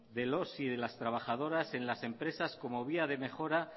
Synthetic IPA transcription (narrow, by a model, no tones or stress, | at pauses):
ðe̞lo̞siðe̞last̪ɾaβ̞axað̞o̞ɾase̞nlase̞mpɾe̞sasko̞mo̞β̞iaðe̞me̞xo̞ɾa